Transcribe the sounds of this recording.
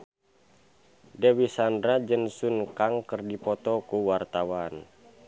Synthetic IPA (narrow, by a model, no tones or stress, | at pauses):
dewisandɾad͡ʒənsunkaŋkərdipɔt̪ɔkuwart̪awan